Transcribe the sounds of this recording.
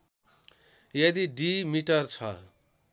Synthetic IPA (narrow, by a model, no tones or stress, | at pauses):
jʌd̪iɖimiʈʌrt͡sʰʌ̰